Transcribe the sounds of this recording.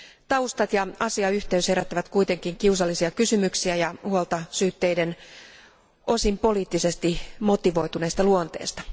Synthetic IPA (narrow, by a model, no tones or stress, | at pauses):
t̪ɑust̪ɑt̪jɑɑsiɑyht̪eysheɾæt̪ːæʋæt̪kuijt̪e̞ŋkiŋkiusɑlːisiɑkysymyksiæjɑhuolt̪ɑsyːt̪ːeiden | ʔo̞simpo̞liːt̪ːise̞st̪imo̞t̪iʋo̞it̪une̞ːst̪ɑluont̪ḛːst̪ɑ̥